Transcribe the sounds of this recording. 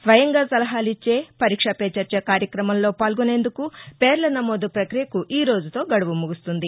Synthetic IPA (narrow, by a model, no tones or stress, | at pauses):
sʋɐjɐŋɡaːsɐlɐɦaːlit͡ʃːe̞ːpɐɾiːkʂɐpeːt͡ʃɐɾt͡ʃeːkaːɾjɐkɾɐmɐmlo̞ːpaːlɡune̞ːnd̪ukupeːɾlɐnɐmo̞ːd̪upɾɐkɾijɐkuʔiːɾo̞ːd͡ʒut̪o̞ːɡɐɽuʋumuɡust̪und̪i